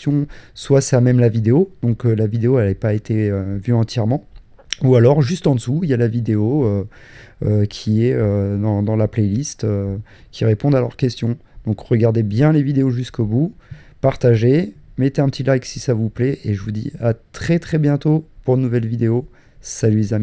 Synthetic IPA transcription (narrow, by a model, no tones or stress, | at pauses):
ɔ̃swasɛamɛmlavid̪eod̪̥ɔ̃kølavid̪eoɛlɛpaet̪eøvyɑ̃t̪jɛʁmɑ̃ | ualɔʁʒyst̪ɑ̃d̪əsuiljalavid̪eoø | økʲʰiɛød̪ɑ̃d̪ɑ̃laplɛlist̪ø | kʲiʁepɔ̃d̪alœʁkʲɛst̪jɔ̃d̪̥ɔ̃kʁəɡaʁd̪ebjɛ̃levid̪eoʒyskobu | paʁt̪aʒe | met̪eɛ̃pət̪ilajksisavuplɛʔeʒəvud̪ḭat̪χɛt̪χɛbjɛ̃t̪opuʁnːuvɛlvid̪eo | salylezami